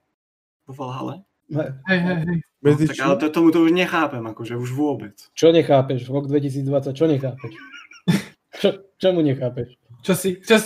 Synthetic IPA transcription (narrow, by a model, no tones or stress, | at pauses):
pɔfɔlɦa̰lɛ | ɦɛɦɛjɦɛjɦɛj | mɛd͡ziaalɛt̪ɔt̪ɔmut̪ɔuʒɲɛxaːpɛmakɔʒɛuʒʋʊɔbɛt͡st͡ʃɔɲɛxaːpɛʒɾɔɡd̪ʋɛcis̬iːd͡zd̪ʋat͡sːac̚t͡ʃɔɲɛxaːpɛʃ | t͡ʃɔt͡ʃɔmuɲɛxaːpɛʃ | t͡ʃɔsit͡ʃɔ